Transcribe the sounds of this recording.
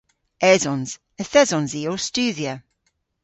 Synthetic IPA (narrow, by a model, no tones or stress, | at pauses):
ɛzɔnz̥ | əθɛzɔ̃nziostʉːðjə